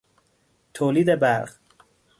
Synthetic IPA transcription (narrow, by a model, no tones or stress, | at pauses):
t̪ʰoːliːd̪ebæɾʁ